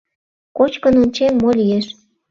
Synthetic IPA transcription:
kot͡ɕkənonʲt͡ɕemːolʲijeʃ

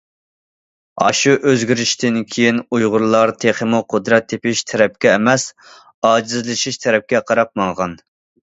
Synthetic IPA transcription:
ɑ̰ʃuʔøzɡʲyɾiʃt̪ʰɪnkʲʰejinujʁʊɾlˠɑɾt̪ʰeχəmʊqʰʊd̪ɾɛt̪ʰːepɪʃt̪ʰɛɾɛp̚kʲɛːmɛs | ɑːd͡ʒizlɪʃiʃt̪ʰɛɾɛp̚kʲɛqʰɑɾɑp̚mɑŋʁɑn

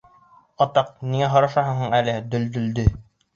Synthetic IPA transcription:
ɒt̪ɑq̚niŋæɦŏɾɑʃɑɦɤɴɦɤɴælɘd̪ɵ̆ld̪ɵ̆ld̪ɵ

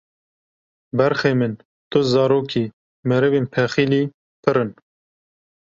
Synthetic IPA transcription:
bɛɾxeːmɨn | t̪ʊzɑːɾoːkiː | mɛɾɨveːnpʰɛxiːliː | pɨɾɨn

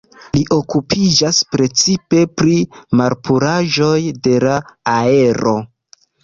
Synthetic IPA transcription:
liʔo̞kupʰid͡ʒaspɾe̞t͡sipe̞pɾimaɾpuɾaʒo̞jde̞laːe̞ɾo̞

